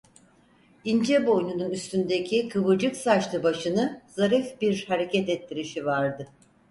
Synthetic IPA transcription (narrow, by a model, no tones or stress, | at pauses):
ind͡ʒɛbo̞jnununyst̪ʰynd̪ecʰikʰɯβɯd͡ʒɯksaʃlˠɯbaʃɯnɯzaɾifbiɾhaɾe̞cɛt̪ɛt̪ʰːiɾiʃivaɾd̪ɯ